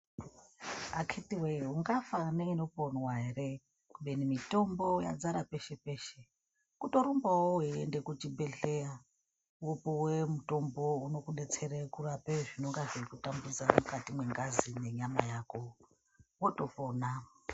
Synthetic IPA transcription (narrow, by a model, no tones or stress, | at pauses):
akʰitiweuŋɡafaneinoponwaɦe̞re | kuɓenimito̞mbo̞ja̰d͡zaɾape̞ʃe̞pe̞ːʃe | kuto̞ɾumbawoɦiende̞kut͡ʃibe̞ɮeja | wopowemuto̞mbo̞uno̞kuɗet͡seɾekurapeʐino̞ŋɡaʐikutambuzamukatimwe̞ŋɡazine̞ɲamajaːko̞ | woto̞pona